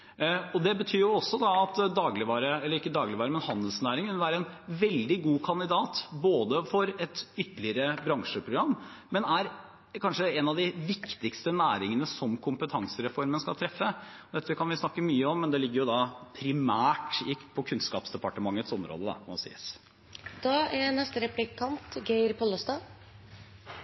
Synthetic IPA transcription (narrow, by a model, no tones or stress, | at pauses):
ɔd̪ɛbət̪ʰyːɾjʊɔsːɔd̪ɑɑt̪d̪ɑːɡlɪʋɑːɾəɛlːəɾɪkːəd̪ɑːɡlɪʋɑːɾəmɛnhɑnd̪əl̩snæːɾɪŋkʉnəʋæːɾəɛnʋɛld̪ɪɡuːkʰɑnd̪ɪd̪ɑːt̪boːd̪əfɔɾɛt̪ʏt̪ːəlɪəɾəbɾɑŋʂəpʰɾʊɡɾɑmː | mɛnæɾ | kʰɑnʂəɛnɑd̪ɪʋɪkt̪ɪkst̪ənæːɾɪŋənəsɔmkʰʊmpət̪ʰɑŋsəɾɛfɔɾmənskɑlt̪ʰɾɛfːəɔd̪ɛt̪ːəʋɪkʰɑnʋɪsnɑkːəmyːəɔmːɛnd̪ɛlɪɡːəɾjʊd̪ɑpʰɾɪmæːʈɪpʰɔkʰʉnskɑ̰ːpsd̪ɛpɑʈəmɑŋːət̪sɔmɾo̰ːd̪əd̪ɑ̰ɔɔsḭːəs | d̪̥ɑːʔænɛst̪əɾɛplɪkʰɑnt̪ɡeɪɾpʰɔlɔst̪ɑː